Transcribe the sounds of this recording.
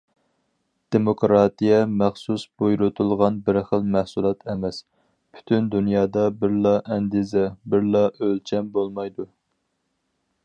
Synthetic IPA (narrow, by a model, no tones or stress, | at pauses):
d̪̥emokɾɑt̪ijɛmæχsusb̥ojɾut̪ʰulˠʁɑnbɪɾχəlˠmæhsulˠɑt̪ʰɛmɛs | pʰy̥t̪ʰynd̪unjɑːd̪ɑbɪɾlˠɑʔɛnd̪izɛbɪɾlˠɑʔølt͡ʃʰɛmbolˠmɑjd̪u